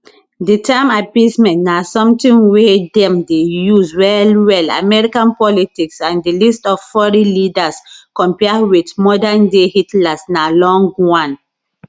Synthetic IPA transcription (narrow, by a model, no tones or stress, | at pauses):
ditʰãmapismɛ̃ntnasɔ̃mtĩnwedɛ̃mdejuzwɛlwɛla̰mɛɹikãnpɔlitiksãndilistɔvfɔɹilidaskɔ̃mpɛawitmɔdandehitlasnalɔ̃ŋɡwãn